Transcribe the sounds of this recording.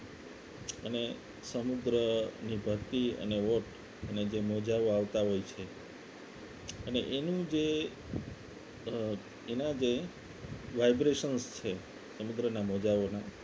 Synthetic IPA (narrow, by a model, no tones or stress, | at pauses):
əne | səmud̪ɾənibʱəɾt̪iə̰neʋoʈ | əned͡ʒemod͡ʒaʋoaʋt̪aɦojt͡ʃʰe | ənḛʔenũd͡ʒe | enad͡ʒe | ʋajbɾeʃənst͡ʃʰe | səmud̪ɾənamod͡ʒaʋona